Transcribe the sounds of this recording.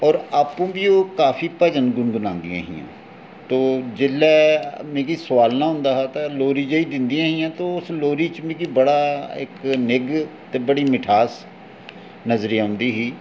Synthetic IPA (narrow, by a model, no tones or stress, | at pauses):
ɔːɾaːpũːbiːoːkaːfʰiːpəd͡ʒənɡʊnɡʊnãːnd̪ɪjã̰ːɦḭːã̰ː | t̪oːd͡ʒɪlːɛːmẽːkiːsəʋaːlnãːɦʊ̃nd̪aːɦɛːt̪aloːɾiːd͡ʒəiːd̪ɪnd̪ijãːɦĩːãːt̪oːʊsloːɾiːt͡ʃmĩːkiːbəɽaːɪ̰knɪɡt̪eːbəɽiːmɪʈʰaːs | nəzɾiãːɦʊ̃nd̪iːɦiː